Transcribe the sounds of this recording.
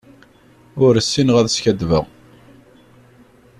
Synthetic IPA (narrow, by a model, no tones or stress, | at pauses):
ʊɾəsːinʁæðsçæd̪və̰ʁ